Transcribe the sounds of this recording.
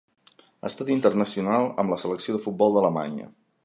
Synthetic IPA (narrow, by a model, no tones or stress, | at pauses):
ə̰st̪at̪int̪ərnəsiunalˠə̰mləsələksioðəfut̪̚bɔlˠd̪ələma̰ɲə̰